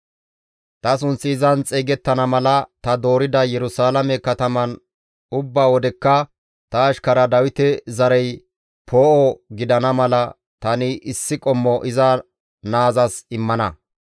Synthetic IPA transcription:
t̪ɐs̬ʊnsːɪːzɐnt͡sʼeːɡɛt̪ːɐnɐmɐlɐt̪ɐd̪o̞ːɾɪd̪ɐjɛɾʊsaːlɐmɛkɐt̪ɐmɐn | ʊbːaːwɔd̪ɛkːɐ | t̪ɐːʃkɐɾɐd̪ɐwɪt̪ɛzɐɾɛj | pʰoːʔɔɡɪd̪ɐnɐmɐlɐ | t̪ɐnɪʔɪsːɪkʼɔmːɔʔɪzɐ | naːzɐsɪmːɐnɐ

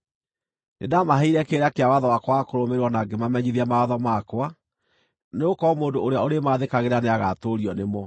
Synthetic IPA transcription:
nʔḛdamaɦeiɾɛkeɾakeawaðɔwakwakoɾomeɾwɔnaɡemamɛɲiðiamawaðɔmakwa | neokɔmoːndooɾeaoɾemaðekaɣeɾaneaɣatoɾiɔnemɔ

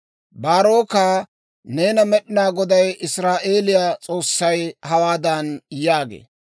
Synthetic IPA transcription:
baːɾo̞ːkaː | ne̞ːnɐmɛɗɪnaːɡɔd̪ɐjʔɪsɾaːʔe̞ːlɪjaːt͡sʼo̞ːsːɐjhɐwaːd̪ɐnjaːɡḛː

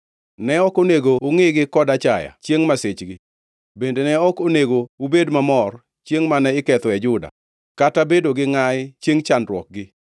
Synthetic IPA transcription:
nɛɔkoneɡoʊŋɪɡɪkɔdat͡ʃaja̰t͡ʃjeŋmaset͡ʃɡɪ | bendenɛɔkoneɡoubedmamɔr | t͡ʃjeŋmanɛɪkɛt̪ɔɛd͡ʒʊda̰ | katabedoɡɪŋaɪt͡ʃjeŋt͡ʃandɾwɔk̚ɡɪ

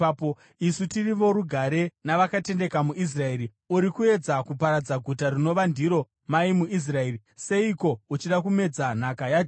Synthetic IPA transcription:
po | isutiriʋo̞ɾuɡʱaɾe̞naʋakate̞nde̞kamuʔis̬rae̞ːɾi | uɾikue̞d͡zakupaɾad͡zaɡʱutarino̞ʋandiɾo̞ | maimuis̬rae̞ɾi | se̞iko̞ut͡ʃiɗakume̞d͡zan̤akajad͡ʒ

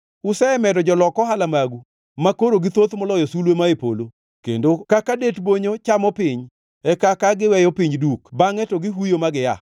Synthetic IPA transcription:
ʊsɛɛmɛdɔd͡ʒɔlɔkɔɦalamaɡu | makoɾoɡɪt̪ot̪mɔlɔjɔsulwemaepo̰lo | kḛndokakadetboɲot͡ʃamɔpɪɲ | ɛkakaɡɪwɛjɔpiɲdukbaŋɛtɔɡɪɦujomaɡɪja̰

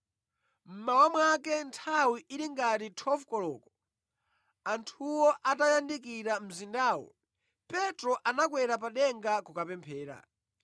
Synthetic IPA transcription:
m̩mawamwakɛntʰawiʔiɾiŋɡatitʰɔfkɔlɔ̰ːkɔ̥ | antʰuwɔʔatajandikiɾam̩zindaːwɔ̰ | pɛtɾɔʔanakwɛɾapaɗɛŋɡakukapɛmpʰɛːɾa̰

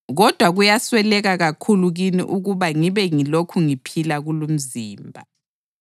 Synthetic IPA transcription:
ɣɔd̥ʱwaɣujaswɛlɛɣaɣakʰuluɣinḭʔuɣuβaŋiβɛŋilokʰuŋipʰilaɣulum̩ziːmbʱa̰

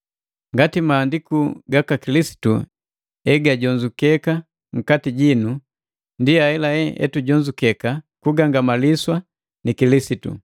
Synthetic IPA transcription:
ŋɡatimaːndikuɡakakilisi̥tṵ | ɛɡaɟɔɲd͡ʒukɛka | ŋ̩katiɟinu | ndiaɛlaɛɛ̰tuɟɔɲd͡ʒukɛkakuɡaŋɡamaliswa | nikilisitṵ

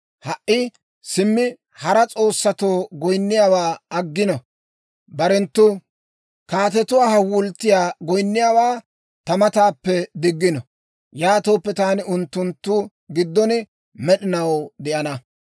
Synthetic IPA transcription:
hɐʔːɪ | sɪmːɪ | hɐɾɐt͡sʼo̞ːsːɐt̪o̞ːɡɔjnːɪjaːwaːɐɡːɪnɔ | bɐɾɛnt̪ːʊ | kaːt̪ɛt̪ʊwaːɦɐwʊlt̪ːɪjaːɡɔjnːɪjaːwaː | t̪ɐmɐt̪aːpːɛd̪ɪɡːɪnɔ | jaːt̪o̞ːpːɛt̪aːnɪʔʊnt̪ːʊnt̪ːʊ | ɡɪd̪ːɔnɪ | mɛɗɪnɐwd̪ɛʔɐnɐ

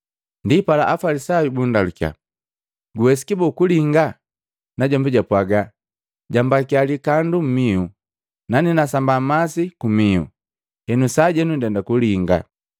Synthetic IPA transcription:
ndipala̰ʔafalisajubundaluka̰ | ɡuwɛsi̥kibɔkuliŋɡa | naɟɔmbɛɟapwaɡa | ɟambakialikandum̩miu | naninasambamasikumiṵ | hɛnusaɟɛnundɛndakuliŋɡa̰

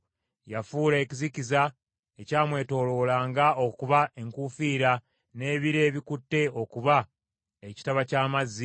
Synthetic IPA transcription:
jafuːleːciziciza | e̞caːmwe̞ːto̞ːlo̞ːlaːŋɡaokuβae̞ŋkufiːɾa | ne̞ːβiɾe̞ːβikutːe̞o̞kuβa | e̞ci̥taβacaːmazːi

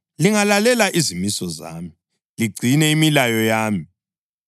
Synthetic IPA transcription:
liŋalalɛlaʔizimisɔza̰ːmi | liɡ͡ǀʱinɛimilajɔjaːmi

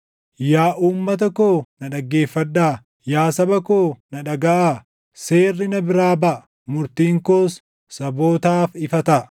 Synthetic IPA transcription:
jaːʔuːmːɐt̪̬ɐkoːnɐᶑɐɡːe̞ːfːɐᶑ̪ːaː | jaːsɐbɐkoːnɐᶑɐɡɐʔaː | seːrːɪnɐbɪɾaːbɐʔɐ | mʊɾt̪iːŋkoːs | sɐbo̞ːt̪aːfɪfɐt̪ɐ

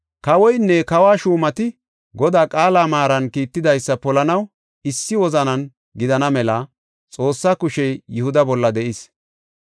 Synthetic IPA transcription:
kɐwɔjnːɛkɐwaːʃuːmɐt̪ɪ | ɡɔd̪aːkʼaːlaːmaːɾɐnkiːt̪ːɪd̪ɐjsːɐpɔlɐnɐw | ɪsːɪwɔzɐnɐn | ɡɪd̪ɐnɐmɛlɐ | t͡sʼo̞ːsːaːkʊʃɛjjʊhʊd̪ɐbɔlːɐd̪ɛʔɪs

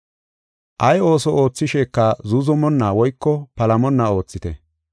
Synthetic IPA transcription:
ʔɐjo̞ːsɔʔo̞ːt͡sːɪʃɛːkːɐzuzɔmɔnːaːwɔjkːɔpɐlɐmɔnːao̞ːt͡sːɪt̪ɛ

